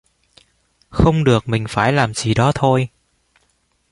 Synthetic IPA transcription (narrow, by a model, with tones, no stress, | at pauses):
xə˧wŋ͡mɗɨ˨˩ək̚mï˨˩ŋ̟faː˧˩jlaː˨˩mzi˨˩ɗɔ˨˦t̪ʰo˧j